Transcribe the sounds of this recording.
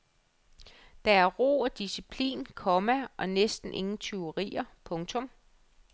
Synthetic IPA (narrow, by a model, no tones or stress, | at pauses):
d̥ɑ̈æɐʁo̝̰ːɒd̥isipʰlḭːnkʰɒ̽mæʔɒ̽nesd̥n̩ʔe̝ŋn̩t͡sʰeɐʁḭːɐpʰɔ̽ŋt͡sʰɔ̽m